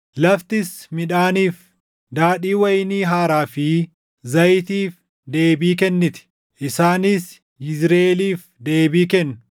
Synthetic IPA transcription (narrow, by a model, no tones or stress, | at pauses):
lɐft̪ɪsmɪᶑaːniːf | d̪aːᶑiːwɐjniːɦaːɾaːfɪ | zɐjt̪iːf | d̪e̞ːbiːk̬ɛnːɪt̪ɪ̥ | ʔɪsaːnɪs | ɪzɾeːliːf | d̪e̞ːbiːkɛnːʊ